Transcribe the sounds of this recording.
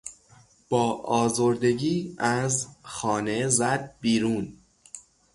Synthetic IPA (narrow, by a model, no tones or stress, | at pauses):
b̥ɒːʔɒːzoɾd̪e̞ɟiːæzxɒːne̞zæd̪̚biːɾuːn